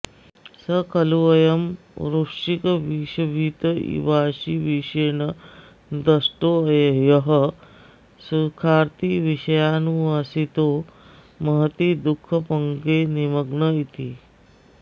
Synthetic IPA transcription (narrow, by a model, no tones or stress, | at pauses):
səkɐluʋɐjɐm | ɾukʂikəʋiʃɐbʱiːt̪əḭʋaːɕiʋiʂeːnɐ | d̪əsʈojjɐɦə | sukʰaːɾt̪iʋiɕɐjanuʋasit̪oː | mɐɦt̪id̪ukʰːɐpɐŋɡeniməɡɳəit̪iː